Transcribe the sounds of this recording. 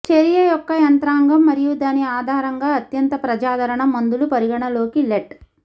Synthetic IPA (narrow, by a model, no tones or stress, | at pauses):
t͡ʃeɾijɐjɔkːɐjɐnt̪ɾaːŋɡɐmːɐɾijud̪aːniaːd̪ʱaːɾɐŋɡaːɐt̪jɐnt̪ɐpɾɐd͡ʒaːd̪ʱɐɾɐɳɐmɐnd̪ulupɐɾiɡɐɳɐlo̞ːkileʈ